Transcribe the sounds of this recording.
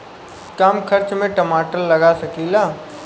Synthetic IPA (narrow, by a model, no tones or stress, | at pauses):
kaːmkʰɐɾt͡ʃmẽʈəmaːʈəlːɐɡasɐkilaː